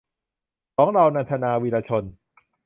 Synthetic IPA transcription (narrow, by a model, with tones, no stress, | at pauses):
kʰɔː˩˦ŋɾa˧wna˧nt̪ʰa˧naː˧wiː˧laː˧t͡ɕʰo˧n